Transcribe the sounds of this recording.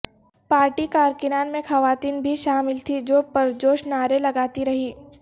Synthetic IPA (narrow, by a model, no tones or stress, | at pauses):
paːɾʈikaːɾkɪnaːnmẽxɐʋaːt̪iːnbʱiʃaːmɪlt̪ʰid͡ʒoːpɐɾd͡ʒoːʃnaːɾelɐɡaːt̪iɾɐɦiː